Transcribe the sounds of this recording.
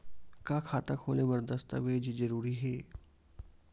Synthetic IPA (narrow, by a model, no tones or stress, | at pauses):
kakʰaːt̪akʰoːleʋəɾd̪əst̪ə̰ʋeːd͡ʒid͡ʒəɾuːɾiːɦeː